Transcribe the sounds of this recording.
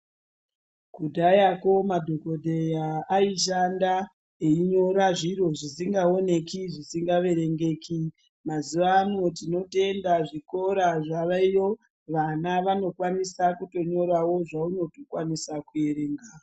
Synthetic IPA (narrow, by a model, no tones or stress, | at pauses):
kudʱajako̞madʱo̞ko̞dʱejaːiʃ̬anda | eiɲo̞ɾaʐiɾo̞ʐisiŋɡao̞ne̞kiʐisiŋɡaʋe̞ɾe̞ŋɡe̞ːki | mazuʋanotino̞te̞ndaʐiko̞ɾaʐaʋaijo̞ | ʋanaʋano̞kwanisakuto̞ɲo̞ɾawo̞ʐauno̞to̥kwanisakue̞ɾeːŋɡa